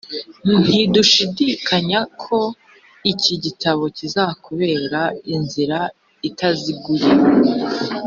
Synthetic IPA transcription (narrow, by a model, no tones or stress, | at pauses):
nn̥iduʃidikʰaɲakʰo̞ | iciɟitaβo̞cizakuβe̞ːɾainziɾa | itaziɡuɾi